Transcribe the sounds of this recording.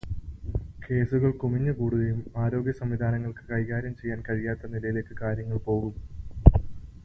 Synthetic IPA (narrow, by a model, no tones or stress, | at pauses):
ke̞ːsuɣɐɭkumiɲːɐkuːɽuðɐjumaːɾo̞ːɡʲjɐsɐmʋid̪ʱaːnɐŋːɐɭkɨ̥kɐjɣaːɾjɐmt͡ɕe̞jːaːnkɐɻijaːt̪ːɐnilɐjile̞ːkːɨkaːɾjɐŋːɐɭpo̞ːɣum